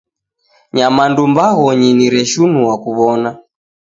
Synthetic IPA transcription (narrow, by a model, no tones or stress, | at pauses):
ɲamandumbaɣɔɲiniɾɛʃunuwakuβɔna